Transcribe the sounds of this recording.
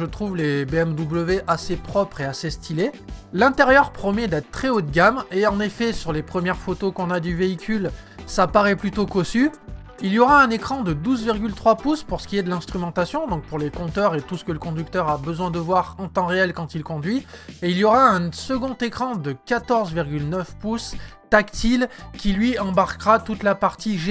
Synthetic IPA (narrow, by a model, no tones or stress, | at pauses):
ʒət̪χuvlebeɛmd̪ubləveʔasepχɔpχeasest̪ilelɛ̃t̪eʁjœʁpχɔmɛd̪ɛt̪χt̪χɛot̪̚ɡʲameɑ̃nefɛsyʁlepχəmjɛʁfot̪okɔ̃nad̪yveikʲylsapaʁɛplyt̪okɔsy | ilijɔʁaɛ̃nekχɑ̃d̪əd̪uzviʁɡʲylt̪χwapuspuʁsə̥kʲijed̪əlɛ̃st̪χymɑ̃t̪asjɔ̃d̪ɔ̃k̚puʁlekɔ̃t̪œʁet̪usə̥kələkɔ̃d̪yk̚t̪œʁabəzwɛ̃d̪əvwaʁɑ̃t̪ɑ̃ʁeɛlkɑ̃t̪ilkɔ̃d̪ɥieiljɔʁaɛ̃səɡɔ̃t̪ekχɑ̃d̪əkat̪ɔʁzviʁɡʲylnœfpust̪akt̪ilkʲilɥiɑ̃baʁkʁat̪ut̪lapaʁt̪iʒe